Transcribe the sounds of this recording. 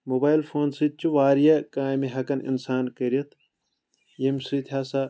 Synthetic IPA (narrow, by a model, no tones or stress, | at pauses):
mobaːilfʰoːnsit͡ʃʰuʋaːɾijɐkaːmiɦɐkɐnḭnsaːnkɐɾjɐt̪ʰ | jemsit̪ʰʲaːsa